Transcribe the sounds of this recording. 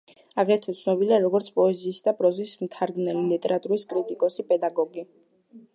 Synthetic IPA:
aɡɾɛt̪ʰɔt̪sʰnɔbiliaɾɔɡɔɾt̪sʰpʼɔɛziːsd̪apʼɾɔziːsmt̪ʰaɾɡnɛlilit̪ʼɛɾat̪ʼuɾiskʼɾit̪ʼikʼɔsipʼɛd̪aɡɔɡi

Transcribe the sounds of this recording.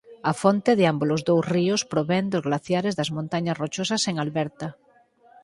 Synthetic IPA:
afont̪eðeambolozðowzriospɾoβend̪ozɣlaθjaɾezðazmõnt̪aɲasrot͡ʃosaseŋalβɛɾt̪a

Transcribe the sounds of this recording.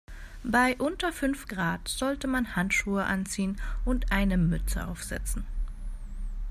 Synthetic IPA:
baɪʔʊntɐfʏnfɡ̥ʁaːtz̥ɔltəmanhantʃuːəʔa̰nt͡siːənʔʊntʔaɪnəmʏt͡sə̰ʔa̰ʊfz̥ɛ̰t͡sn̩

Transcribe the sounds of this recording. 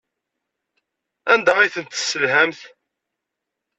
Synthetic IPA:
ænd̪æʁiθənt̪sːəlɦæmθ

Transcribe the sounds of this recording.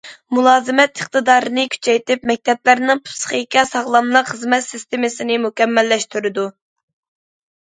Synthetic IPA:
mulˠɑːzɨmɛt̪ʰəχt̪ɨd̪ɑːɾɨnɨkʲʰy̥t͡ʃʰɛjt̪ɪpmɛk̚ʲt̪ʰɛp̚læɾnɪŋpʰu̥sχɨkʲɛsɑʁlˠɑmlˠɑχəzmɛt̪sɪst̪emɪsɪnɪmukʲɛmːɛlːɛʃt̪yɾɪd̪u

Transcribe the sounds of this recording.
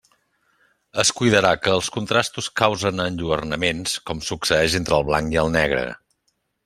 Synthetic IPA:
əskujðəɾakəːəlˠskunt̪ɾast̪uskawzənənʲʎuərnəmenskɔmsuksəɛʒent̪ɾəlˠβlaŋkiəlˠnɛɣɾə̰

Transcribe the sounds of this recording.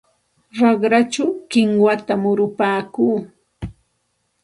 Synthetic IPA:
ɾɑɢɾat͡ʃawkɪŋwat̪amʊɾʊpaːkuː

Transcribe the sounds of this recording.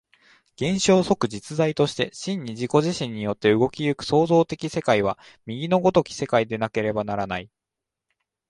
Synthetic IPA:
ɡ̥ẽ̞ɰ̃ɕo̞ːso̞kɯ̟d͡ʑit͡sɨzait̪o̞ɕi̥t̪e̞ɕĩɲ̟ːiʑiko̞ʑiɕĩɲ̟ːijo̞t̪ːe̞ɯ̟ɡo̞kʲijɯ̟kɯ̟̥so̞ːzo̞ːt̪e̞kʲise̞kaiβ̞a | mʲiɡʲino̞ɡo̞t̪o̞kʲi̥se̞kaid̪e̞nake̞ɾe̞banaɾanai

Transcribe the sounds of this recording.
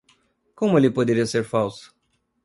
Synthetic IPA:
kõmʊelɪpod̪eɾiɐseɾfawsʊ̥

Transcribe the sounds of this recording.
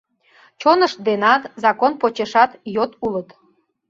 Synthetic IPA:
t͡ɕonəʃd̪enɑt̪zɑkonpot͡ɕeʃɑt̪jot̪ulət̪

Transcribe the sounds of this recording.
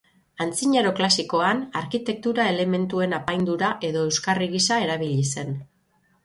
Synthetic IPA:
ant͡siɲeɾo̞klasiko̞anaɾkit̪e̞k̚t̪uɾae̞le̞me̞nt̪ue̞napajnd̪uɾaʔe̞ðo̞e̞wskariɣisae̞ɾaβiʎise̞n

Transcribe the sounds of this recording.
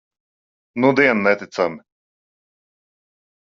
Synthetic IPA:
nud̪iɛnnɛt̪it̪samɪ

